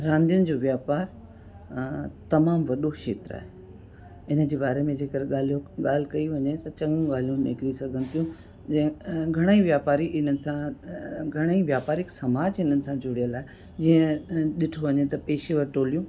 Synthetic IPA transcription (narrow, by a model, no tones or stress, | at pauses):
ɾãːnd̪ijʊnɪ̆d͡ʑoːʋjaːpaːɾ | t̪ɐmaːmʋɐɗoʃḛːt̪ɾa̰ːɦe | ɪnə̆d͡ʑeːbaːɾemẽd͡ʑeːkəɾeɠaːl̤ijõɠaːl̤ɪkɐiʋɐɲet̪ɐt͡ɕɐŋũɡaːl̤ijũnɪ̰kɾisɐɡʱə̃nt̪ijũ | d͡ʑɐ̃ɡʱɐɽ̃aĩʋjaːpaːɾiʔɪn̤ənɪ̆sãɡʱɐɽ̃aiʋjaːpaːɾɪksɐmaːd͡ʑɪnənɪ̆sãd͡ʑʊɽijəlaːɦe | d͡ʑiːə̃ɗɪʈʰoʋɐɲet̪ɐpeːʃeʋɐɾʈoːlijũː